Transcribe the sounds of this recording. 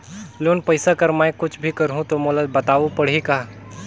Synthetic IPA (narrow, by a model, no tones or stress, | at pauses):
loːnpɐɪsakɐɾmaekʊt͡ʃʰbʱikɐɾɦũt̪omoːləd̪̚bɐt̪aːupɐɽ̤ɦika